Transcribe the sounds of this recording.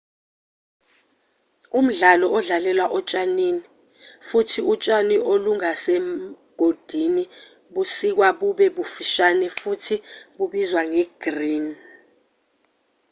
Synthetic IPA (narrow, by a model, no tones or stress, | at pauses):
um̩ɮalɔʔɔɮalɛlwaʔɔt͡ʃʼanini | futʰiut͡ʃʼaniʔoluŋasɛ | ɡ̥ʱod̥ʱini | ɓusik̬waɓuɓɛɓufiʃanɛfutʰiɓuɓizwaŋɛɡ̥riːn